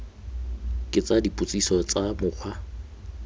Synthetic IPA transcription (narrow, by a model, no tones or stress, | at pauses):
kʼɪt͡sʼadipʼut͡sʼisɔt͡sʼamʊq͡χʰwa